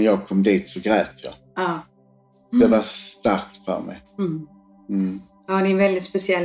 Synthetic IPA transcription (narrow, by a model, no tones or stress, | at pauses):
jɑːɡ̚kʰɔmːd̪iːt̪sɔɡɾɛːt̪jɑ̰ | ɑː | d̪ɛvasst̪aɾk̚t̪fœ̰ːɾmɛ̰j | hanɪvɛld̪ɪt̪spɛsɪɛl